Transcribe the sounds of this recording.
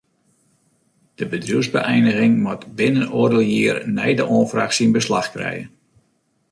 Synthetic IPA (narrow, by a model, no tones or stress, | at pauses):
d̥əbədruwzbə̰ʔɛjnəɣɪŋmɔtbɪnənoːrdəlˠjiːrnɛ̰jdəʔoːnfraχsinbəslaxkrɛ̰jə̰n